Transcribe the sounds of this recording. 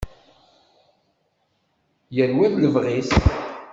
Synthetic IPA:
jəlwæmləvʁis

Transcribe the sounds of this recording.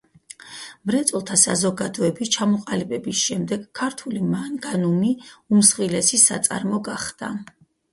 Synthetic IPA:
mɾɛt̪sʼɔlˠt̪ʰasazɔɡad̪ɔɛbist͡ʃʰamɔqʼalibɛbisʃɛmd̪ɛɡkʰːaɾt̪ʰulimanɡanumiumsχilɛsisa̰t̪sʼa̰ɾmɔɡaχd̪̥a̰

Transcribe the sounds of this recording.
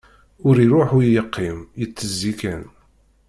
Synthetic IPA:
ʊɾiɾʊħujjəqʰːimjət͡sːəzːikæn

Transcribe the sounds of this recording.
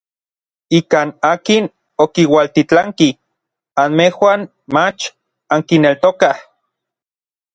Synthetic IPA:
ikaːnaːkin | okiwalt̪it͡ɬaŋki | anmehwan | mat͡ʃ | aŋkinelt̪okah

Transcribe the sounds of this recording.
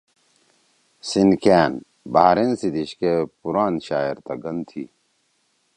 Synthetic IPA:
sinkʰæːn | baɦɾensid̪iɕkepuɾaːnɕaːiɾt̪ɐɡɐnd̪t̪ʰiː

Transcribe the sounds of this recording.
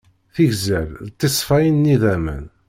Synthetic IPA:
θiʝzæɾt̪ˤːesˤfæjənːiðæmə̰n

